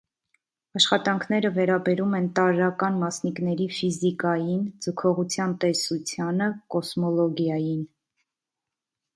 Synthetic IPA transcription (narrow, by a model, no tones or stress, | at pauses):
ɑʃχɑt̪ɑŋkʰnɛɾəvɛɾɑbɛɾumɛnt̪ɑɾːɑkɑnmɑsnikn̪ɛɾifizikɑjind͡zəkʰɔʁut͡sʰjɑnt̪ɛsut͡sʰjɑnəkɔsmɔlɔɡjɑjin